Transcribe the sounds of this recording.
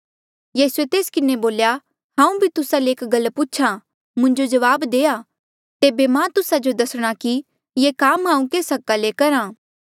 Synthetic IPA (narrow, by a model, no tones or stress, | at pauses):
jiːsuet̪eːskɪneboːlja | hãːũbʱit̪ʊsaleeːkɡɐlput͡ʃʰa | mʊ̃ɲd͡ʒod͡ʒɐʋaːbd̪eːa | t̪eːbemãt̪ʊsad͡ʒod̪ɐsɽ̃aki | jeːkaːmɦãːũkeːsɐkːalekɐɾãː